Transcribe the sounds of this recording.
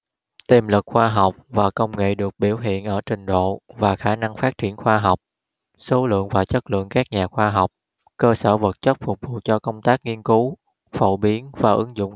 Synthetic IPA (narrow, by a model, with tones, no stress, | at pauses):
t̪i˨˩mlɨ˨˩k̚xwaː˧ɦa˨˩wk͡p̚vaː˨˩kə˧wŋ͡mŋḛ˧˨ɗɨ˨˩ək̚ɓi˧˩əwɦḭ˧˨ənʔəː˧˩t͡ɕï˨˩ŋ̟ɗo̰˧˨vaː˨˩xaː˧˩na˧ŋfaː˦˥t̚t͡ɕi˧˩ənxwaː˧ɦa˨˩wk͡p̚ | so˨˦lɨ̰˧˨əŋvaː˨˩t͡ɕə˦˥t̚lɨ̰˧˨əŋkaː˦˥k̚ɲaː˨˩xwaː˧ɦa˨˩wk͡p̚ | kəː˧səː˧˩və˨˩t̚t͡ɕə˦˥t̚fʊ˨˩k͡p̚vu˨ət͡ɕɔ˧kə˧wŋ͡mt̪aː˦˥k̚ŋi˧ənku˨˦ | fo̰˧˨ɓi˨˦ənvaː˨˩ʔɨ˨˦ŋzʊ̰˧˨ŋ͡m